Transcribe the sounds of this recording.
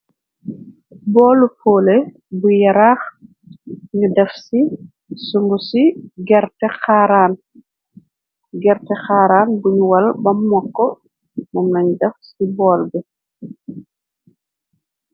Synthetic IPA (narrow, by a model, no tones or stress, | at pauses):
bɔːlufoːle | bujɐɾaːx | ɲudɛfsi | suŋɡusiɡɛɾtɛxaɾaːn | ɡɛɾtɛxaːɾaːnbuɲuwɐlbɐmːɔkːɔ | mɔmlɐɲudɛfsibɔːlbɛ